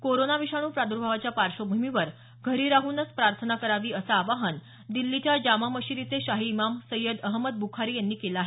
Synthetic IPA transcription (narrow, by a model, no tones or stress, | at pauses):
koɾonaʋiʂaɽ̃uːpɾad̪uɾbʱaʋat͡ɕjapaɾɕobʱumiʋəɾ | ɡʱəɾiɾaɦuːnət͡spɾaɾt̪ʰənakəɾaʋiːəsaːʋaɦən | d̪ilːit͡ɕjad͡ʑamaməɕiɾit͡seɕaɦiːmamsəjəd̪əɦməd̪̚bʱukʰaɾiːjanːiːkelaːɦe